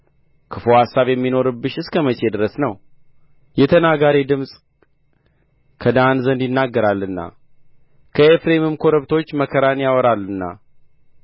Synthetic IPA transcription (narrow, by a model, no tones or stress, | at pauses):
kʰɨfohasːaβjɛmːino̞ɾɨbːɨʃɨskʰəmət͡ʃʼed̪ɨɾəsnəw | jɛt̪ʰənaɡaɾid̪ɨmsʼ | kʰəd̪anzənd̪jɪnːaɡːəɾalːɨnːa̰ | kʰəefɾemɨmkʰo̞ɾəβt̪ʰo̞t͡ʃːməkʰəɾanjawɔɾalːɨnːa̰